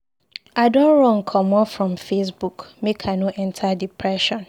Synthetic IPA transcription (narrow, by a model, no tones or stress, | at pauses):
adõnɹɔ̃ŋ̩kʰɔ̃mɔfɹɔ̃mfes̬bukmekʰanoʔɛ̃ntʰadipʰɹɛʃɔ̃n